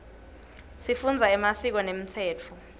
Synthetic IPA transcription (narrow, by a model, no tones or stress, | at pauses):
sifund͡zʱaɛmasik̬ɔnem̩tʰɛːt͡fʰɔ